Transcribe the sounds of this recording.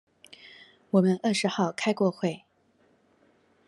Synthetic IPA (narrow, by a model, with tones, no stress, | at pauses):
wɔ˨˩mə˦nə˥˩ʂɻ̩˧˥xɑ˥˧ʊkʰa˥ɪkwɔ˥˧xwe˥˩ɪ